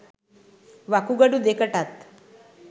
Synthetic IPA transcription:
ʋakuɡəɽud̪ekəʈat̪

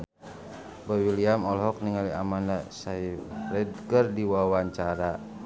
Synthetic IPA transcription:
bawiliamɔlɦɔk̚niŋaliamandasairɛd̚kərdiwawaɲt͡ʃaɾa

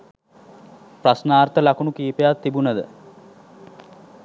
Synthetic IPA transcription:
prasnaːrt̪əlakunukiːpejat̪ːibunəd̪ə

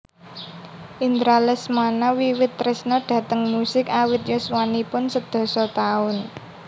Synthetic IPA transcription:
ʔind̪ɾalɛsmanawiwɪt̪ːɾɪsnɔɖ̪̥a̤t̪əŋmusɪkawɪt̪̚joswanipʊnsəd̪̥ɔ̤sɔt̪aʊn

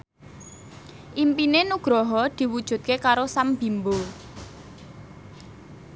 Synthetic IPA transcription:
ʔimpinenuɡ̥ɾɔɦɔd̪̥i̤wud̥ʒ̥ṳt̪̚kekaɾosamb̥i̤mbo

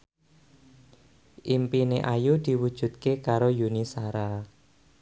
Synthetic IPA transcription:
ʔimpineʔajud̪̥i̤wud̥ʒ̥ṳt̪̚kekaɾojunisaɾa

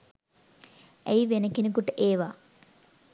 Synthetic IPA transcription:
ɐ̰jʋenɐkːinikuʈːɨʔeːʋa

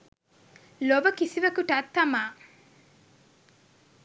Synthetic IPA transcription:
lobəkisiʋɐkuʈɐt̪ːɐmaː

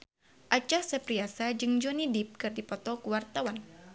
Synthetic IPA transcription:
ʔat͡ʃahsəpɾiasad͡ʒɨŋd͡ʒɔnidip̚kɨrdipɔt̪ɔkuwart̪awan

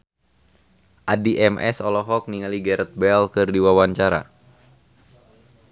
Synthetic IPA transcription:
ʔadiʔɛmʔɛ̰sɔlɔɦɔk̚niŋaliɡɛɾət̪̚bɛlkɨrdiwawaɲt͡ʃaɾa̰

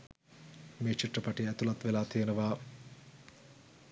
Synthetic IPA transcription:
meːt͡ʃiʈrəpaʈiæt̪ulat̪ʋelaːt̪ʰijənəʋaː

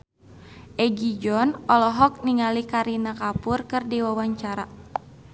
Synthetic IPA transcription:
ʔɛɡid͡ʒɔnɔlɔɦɔk̚niŋalikaɾinakapurkɨrdiwawaɲt͡ʃaɾa

